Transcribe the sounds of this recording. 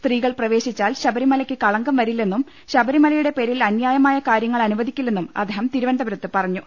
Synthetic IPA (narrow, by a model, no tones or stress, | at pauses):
st̪riːɣɐɭprɐʋe̞ːɕit͡ɕːaːlɕɐbɐɾimɐlɐkʲːɨkɐɭɐŋɡɐmʋɐɾilːe̞nːum | ɕɐbʱɐɾimɐlɐjuɽe̞pe̞ːɾilɐnjaːjɐmaːjɐkaːɾjɐŋːɐɭɐnuʋɐd̪ʱikʲːilːe̞nːumɐ̰d̪eːɦɐmt̪iɾuʋɐnd̪ɐbɐɾɐt̪ːɨpɐrɐɲːu